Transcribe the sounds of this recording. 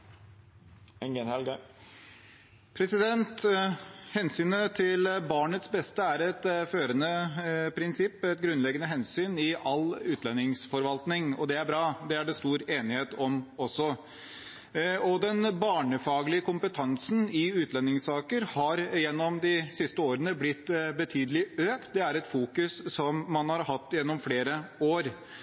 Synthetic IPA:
ɛnɡɛnɛlɡ | pʰɾɛsɪd̪ɛnt̪ | hɛnsyːnət̪ʰɪlbɑːɳət̪sbɛst̪əæɾɛt̪føːɾənəpʰɾɪnsɪpːɛt̪ɡɾʉnlɛɡːənəɦɛnsyːnɪʔɑlʉːt̪ʰlɛnːɪŋsfɔɾʋɑlt̪nɪŋɔ̰d̪ɛæɾbɾɑːd̪ɛæɖɛst̪uːɾeːnɪheːt̪ɔmɔsːɔ | ɔd̪ɛnbɑːɳəfɑːɡəlɪəkʰʊmpət̪ʰɑnsn̩ɪʉːt̪lɛnːɪŋsɑːkəɾhɑɾjɛnːɔmd̪ɪsɪst̪əoːɾənəblɪt̪ːbət̪ʰyːd̪əlɪøːkt̪d̪ɛæɾɛt̪fuːkʉssɔmːɑnhɑɾhɑt̪ːjɛnːɔmfleːɾəoːɾ

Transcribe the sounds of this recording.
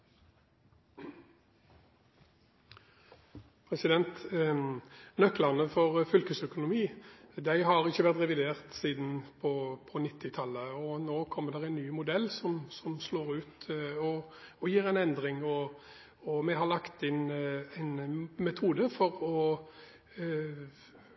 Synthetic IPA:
pʰɾɛsɪd̪ɛnt̪ | nœkːlɑʁnəfɔʁfʏlkəsœkʊnʊmiːd̪æɪɦɑʁɪçːəʋæʁt̪ʁɛʋɪd̪eːʁt̪siːd̪n̩pʰɔpʰɔnɪt̪ːɪt̪ʰɑlːəɔnoːkʰɔmːəd̪ɛʁæɪnːyːmʊd̪ɛlːsɔmsɔmsloːʁʉːt̪ɔ | ɔjiːɾɛɪnɛnd̪ʁɪŋɔ | ɔmɛɦɑlɑkt̪ɪnæɪnmɛt̪ʰuːd̪əfɔɾɔ

